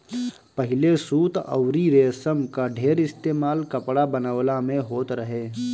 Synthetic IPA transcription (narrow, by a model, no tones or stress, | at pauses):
pɐɦɪlesuːt̪ə̰wɾiɾeːsəmkaɖʱeːɾɪst̪eːmaːlkɐpɽabɐnəwlamẽɦoːt̪ɾɐɦeː